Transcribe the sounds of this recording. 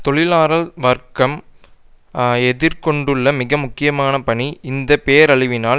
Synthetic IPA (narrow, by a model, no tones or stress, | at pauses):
t̪ɔɭɪlaːɾɐlʋɐɾkɐm | ɛðɪɾkɔɳɖɯɭːɐmɪɣɐmʊkːɪjɐmaːnɐpɐɳiɪnd̪ɐpeːɐɾɐɭɪʋɪnaː